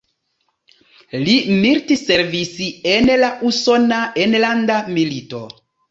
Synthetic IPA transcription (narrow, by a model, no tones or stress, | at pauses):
limiɾtise̞ɾvisienlaʔuso̞naʔenlandamilito̞